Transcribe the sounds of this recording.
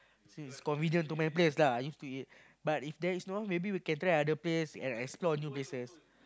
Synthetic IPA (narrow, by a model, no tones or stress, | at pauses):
sĩniskɔ̃nvinjə̃ntumajpleslaajjustuit̚ | batifdɛisnomebiwikɛ̃nt̪ɾaadəplesɛ̰̃nɛksplɔnjuplesəs